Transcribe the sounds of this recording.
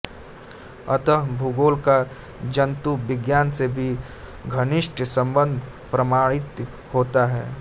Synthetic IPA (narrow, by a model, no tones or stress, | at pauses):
ət̪əɦbʱuɡoːlka | d͡ʒɐnt̪uʋɪɡjaːnsebʱi | ɡʱɐnɪʃʈʰəsə̃mbə̃nd̪ʱ | pɾɐmaːɽ̃ɪt̪ | hoːt̪aɦɛː